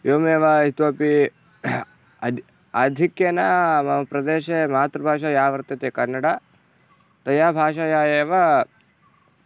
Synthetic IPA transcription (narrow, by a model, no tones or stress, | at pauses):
joːmeːʋɐɦit̪oːpi | ɐd̪ʱikjenɐmɐɐpɾɐd̪eːʃemaːt̪ɾɐbʱaːʃaːjaːʋɐɾt̪jɐt̪eːkɐnːɐɽa | t̪ɐjaːbʱaːʃaːjaːjeːʋɐ